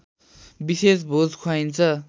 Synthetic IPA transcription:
bisesbʱod͡zkʰwajnt͡sʰʌ

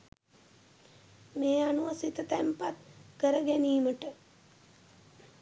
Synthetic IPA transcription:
meːanuʋəsit̪ət̪æmpat̪kəɾəɡæniːməʈə

